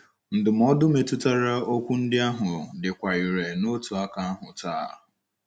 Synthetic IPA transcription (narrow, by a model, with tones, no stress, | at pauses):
n̩˨dʊ˨m̩ɔ˦dʊ˦me˨tʊ˦ta˦ɾa˦o˦kʷu˦n̩˦dɪ˦a˦ɦʊ˨dɪ˨kʷa˨i˨ɾe˨no˦tu˨a˦ka˦a˦ɦʊ˨taː˦˨